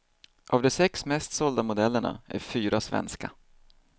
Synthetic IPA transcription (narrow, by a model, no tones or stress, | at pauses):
ʔavd̪ɔsɛksmɛst̪sɔld̪amʊd̪ɛlːəɳa̰æɾfyːɾasvɛ̰nska